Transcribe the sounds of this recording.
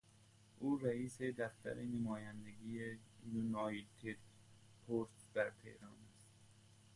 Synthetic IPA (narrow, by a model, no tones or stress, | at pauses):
ʔuːɾæiːsed̪æft̪æ̰ɾenemɒːjænd̪eɡiːjejunɑit̪ʰed̪̥ | pʰoɾt̪d̪̥æɾt̪ʰḛhɾɒːnæst̪